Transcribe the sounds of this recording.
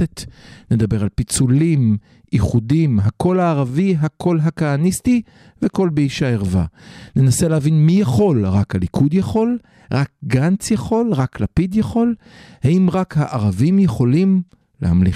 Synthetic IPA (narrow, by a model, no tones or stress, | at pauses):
etne̞d̪abe̞ʁalpit͡sulim | iχudimɦako̞laːʁaviɦakʰo̞lɦakaːnisti | veko̞lbeiʃaeʁva̰ne̞naselehavinmijaχo̞lʁakalikʰud̪jaχo̞l | ʁak̚ɡant͡sjaχo̞lʁaklapidjaχo̞l | haimʁakhaʔaʁavimjeχo̞lim | lehamli